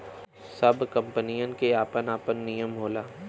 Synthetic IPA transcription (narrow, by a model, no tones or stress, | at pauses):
sɐbʱkɐ̃mpənijənkeaːpənaːpənːijəmɦoːlaː